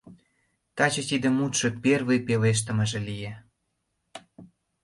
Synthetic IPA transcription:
t̪ɑt͡ɕɤ̆t̪id̪ĕmut̪ʃɤ̆pervĕjpeleʃ̬t̪ə̆mə̆ʒĕlije

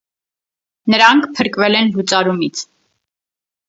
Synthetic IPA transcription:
nəɾɑŋkʰpʰəɾkvɛlɛnɦut͡sʼɑɾumit͡sʰ

